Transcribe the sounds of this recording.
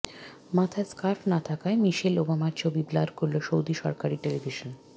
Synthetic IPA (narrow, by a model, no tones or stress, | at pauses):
mat̪ʰaskaɾpnat̪ʰakaemiʃelobamaɾt͡ɕʰobiblaɾkoɾloʃowd̪iʃɔ̰ɾkaɾiʈelibʱiʃon